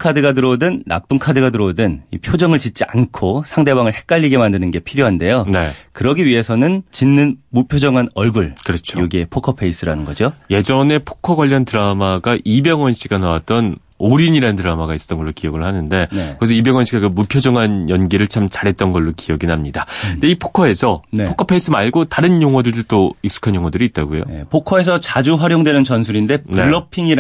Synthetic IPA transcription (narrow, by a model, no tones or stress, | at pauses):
kʰadɯɡadɯɾodɯnːa̰p͈unkʰadɯɡadɯɾodɯnipʰjod͡ʑʌŋɯɭt͡ɕit̚t͡ɕ͈ia̰nkʰosʰaŋde̞baŋɯɭhe̞k̚k͈aʎːiɡe̞mandɯnɯnɡe̞pʰiɾjoɦande̞jone̞kɯɾʌɡiɥiɦe̞sʰʌnɯnt͡ɕinːɯnmupʰjod͡ʑʌŋɦanʌɭɡuɭkɯɾʌt͡ɕʰojoɡie̞pʰokʰʌpʰeis͈ɯɾanɯnɡʌd͡ʑoje̞d͡ʑʌne̞pʰo̥kʰʌɡwaʎːʌntɯɾamaɡaʔibeŋwʌnɕʰiɡanawat̚t͈ʌn | oɾiɲiɾanɯntɯɾamaɡais͈ʌ̥t͈nŋɡʌɭːokiʌɡɯɭhanɯnde̞ekɯɾes̬ʰʌibeŋwʌnɕʰiɡakɯmupʰjod͡ʑʌŋanjʌnɡiɾɯɭt͡ɕʰamt͡ɕaɾɦe̞t̚t͈ʌnɡʌɭːokijʌɡinɦamɲidadeipʰo̥kʰʌe̞sʰʌnepokʰʌpʰeis͈ɯmaɭɡotaɾɯnjoŋwʌdɯɭdɯɭt͈oik̚s͈u̥kʰanjoŋwʌdɯɾiːt̚t͈aɡujo̰nepʰokʰʌe̞sʰʌt͡ɕad͡ʑuɸwaɾjoŋdwe̞nɯnt͡ɕʌnsʰuɾinde̞nueɭːʌpʰiŋiɾ